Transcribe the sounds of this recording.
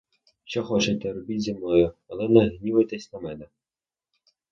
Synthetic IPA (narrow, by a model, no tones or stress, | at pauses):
ʃt͡ʃɔxɔt͡ʃɛt̪ɛɾɔbʲitʲzʲemnɔjʊɐlˠɛnɐɦnʲiʋɐt̪ɛsʲnɐmɛnɛ